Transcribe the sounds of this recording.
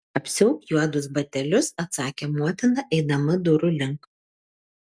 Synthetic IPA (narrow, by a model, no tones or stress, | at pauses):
ɐpʲsʲʊʊkjuɔd̪ʊsbɐt̪ʲɛlʲʊsɐt̪sɑːkʲeːmuɔt̪ʲɪnɐʔɛɪd̪ɐmɐd̪ʊɾʊlʲɪŋˑk